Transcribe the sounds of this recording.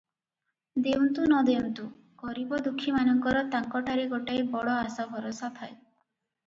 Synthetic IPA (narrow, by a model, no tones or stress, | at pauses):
d̪eunt̪unɔd̪eunt̪u | ɡ̥ɔɾibɔd̪ukʰːimanɔŋkɔɾɔt̪aŋkɔʈʰaɾeɡɔʈaebɔɽɔasabʱɔɾosat̪ʰae